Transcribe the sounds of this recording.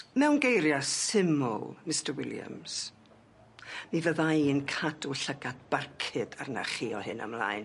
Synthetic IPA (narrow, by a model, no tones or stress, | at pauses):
mɛwnɡejɾjasɪmʊ̰lˠmɪstərwɪlja̰ms | mivəðajɨnkʰaduɬəɡadb̥arkʰɨdarna̰χiːɔhɨna̰mlˠa̰ːjn